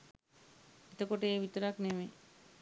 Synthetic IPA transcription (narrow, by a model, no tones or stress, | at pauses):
it̪əkoʈeebʱit̪oɾakneme